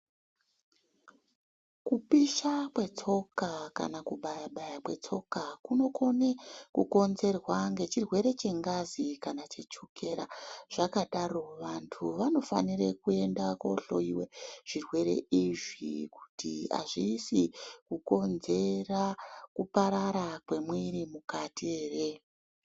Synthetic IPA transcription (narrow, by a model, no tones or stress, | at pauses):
kupiʃakwe̞t͡so̞kaka̰nakuɓajaɓajakwe̞̰t͡so̞kakuno̞ko̞nekuko̞nze̞rwaŋɡe̞t͡ʃirwe̞ɾe̞t͡ʃe̞ŋɡazikanat͡ʃe̞t͡ʃuke̞ɾaʐ̥akaɗaro̞ʋantʰuʋano̞fa̰nirekue̞ndako̰ɬo̰iwe̞ʐ̥irwe̞ɾe̞̰ʔiʐḭku̥tḭa̰ʐiːsikuko̞nze̞rakupaɾaɾakwe̞mweɾimukatieːre